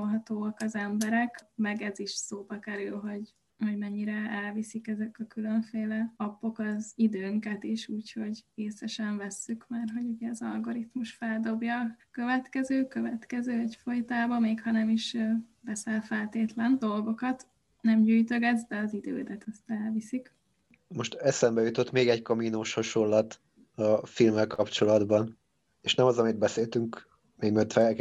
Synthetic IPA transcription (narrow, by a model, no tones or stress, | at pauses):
olɦɒt̪oːɒkɒzɛmbɛɾɛkmɛɡɛziʃsoːbɒkɛɾylɦo̞ɟ | ho̞ɟmɛɲːiɾɛɛlvisikɛzɛkɒkylø̞ɱfeːlɛɒpːo̞kɒzid̪øːŋkɛt̪iʃuːcho̞ɟɾeːsɛʃɛɱvɛsːykmaːrɦo̞ɟuɟɛːzɒ̰lɡo̞ɾit̪muʃfɛld̪o̞bjɒkø̞vɛt̪kɛzøːkøvɛt̪kɛzøːɛcfo̞jt̪aːbɒmeːkhɒnɛmiʃbɛsɛlfɛlt̪eːt̪lɛnd̪o̞lɡo̞kɒt̪ | nɛmɟyːjt̪øɡɛzd̪ɛɒzid̪ø̰ːd̪ɛt̪ɛst̪ɛlvisik | mo̞ʃt̪ɛsɛmbɛjut̪o̞t̪meːɡɛckɒminoːʃho̞ʃolːɒt̪ | ɒfilmːɛlkɒpt͡ʃo̞lɒd̪bɒn | eːʃnɛmɒzɒmid̪̚bɛseːlt̪yŋk | meːɡmøt̪fɛ